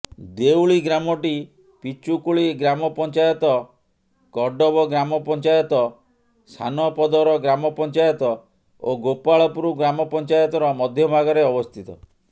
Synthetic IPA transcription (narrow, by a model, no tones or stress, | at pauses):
d̪ewɭiɡɾamɔʈi | pit͡ʃukuɭiɡɾamɔpɔnt͡ʃajɔt̪ɔ | kɔɖɔbɔɡɾamɔpɔnt͡ʃajɔt̪ɔ | sʰa̰nɔpɔd̪ɔɾɔɡɾamɔpɔnt͡ʃajɔt̪ɔ | oɡopaɭɔpuɾuɡɾamɔpɔnt͡ʃajɔt̪ɔɾɔmɔd̪ʱjɔbʱaɡɔɾeɔbɔst̪ʰit̪ɔ̰